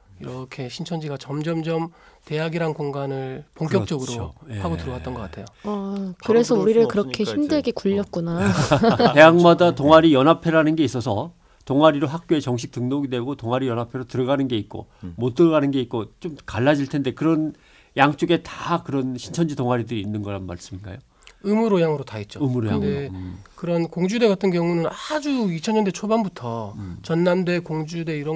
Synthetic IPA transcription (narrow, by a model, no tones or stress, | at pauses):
iɾʌkʰe̞ɕʰint͡ɕʰʌnd͡ʑiɡat͡ɕʌmd͡ʑʌmd͡ʑʌmte̞jaɡiɾankoŋɡanɯɭpoŋk͈jʌt͡ɕ͈ʌɡɯɾohaɡotɯɾʌɡat͈ʌnɡʌk͈atʰe̞joʌkɯɾe̞sʰʌuɾiɾɯɭkɯɾʌkʰe̞çimdɯɭɡekuʎːʌk̚k͈unatte̞jaŋmadatoŋaɾijʌnɦapʰe̞ɾanɯnɡe̞is͈ʌsʰʌ | toŋaɾiɾoɸak̚k͈joet͡ɕʌŋɕ̬ʰi̥k̚tɯŋnoɡidwe̞ɡotoŋaɾijʌnɦapʰe̞ɾotɯɾʌɡanɯnɡe̞it̚k͈o̰mot͈ɯɾʌɡanɯnɡe̞it̚k͈ot͡ɕ͈omkaɭːad͡ʑiɭtʰe̞nde̞kɯɾʌn | jaŋt͡ɕ͈oɡe̞takɯɾʌnɕʰint͡ɕʰʌnd͡ʑidoŋɦaɾidɯɾiinːɯnɡʌɾanma̰ɭs͈ɯminɡa̰jo | ɯmɯɾojaŋɯɾotait̚t͡ɕ͈oɯmɯɾoa̰dekɯɾʌnkoŋd͡ʑude̞ɡatʰɯnkjʌŋunɯnad͡ʑuit͡ɕʰʌnɲːʌnde̞t͡ɕʰobanbutʰʌt͡ɕʌnːande̞koŋd͡ʑude̞iɾʌ